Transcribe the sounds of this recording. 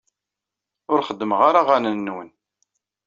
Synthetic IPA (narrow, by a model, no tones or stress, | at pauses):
ʊɾχəd̪ːəmʁaɾaʁanənːwən